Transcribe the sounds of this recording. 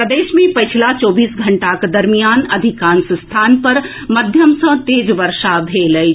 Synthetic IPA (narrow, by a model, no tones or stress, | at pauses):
pɾəd̪eːʃmẽpɐt͡ʃʰilat͡ʃɔːbiːsɡʱɐɳʈakd̪ɐɾmijaːnɐd̪ʱikaːnsst̪ʰaːnpɐɾ | mɐd̪ʱjəmsə̃t̪eːd͡ʒʋɐɾʃabʱeːləj